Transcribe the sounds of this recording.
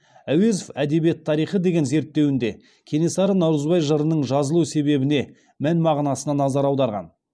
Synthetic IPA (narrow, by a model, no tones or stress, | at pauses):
æwe̞zofæd̪e̞bije̞t̪ʰːɑɾijχəd̪e̞ɡʲe̞nze̞ɾt̪ːe̞wɪnd̪e̞ | kʲʰe̞ne̞sɑɾənɑwɾəzbɑjʒəɾənəɴʒɑzəlˠuse̞be̞bɪne̞ | mænmɑʁnɑsənɑnɑzɑɾɑwd̪ɑɾʁɑ̰n